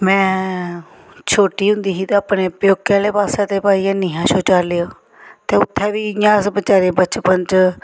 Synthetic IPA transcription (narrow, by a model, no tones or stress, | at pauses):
mɛ̃ː | t͡ʃʰoːʈiːɦʊ̃nd̪iːsiːt̪ẽaːpneːpjoːkːɛːleːpaːsɛːt̪eːpaːiːãːniːɦãːʃʰoːt͡ʃaːleoː | t̪eːʊt̪ʰːɛːʋiːjãːsbət͡ʃaːɾeːbət͡ʃpəɲt͡ʃ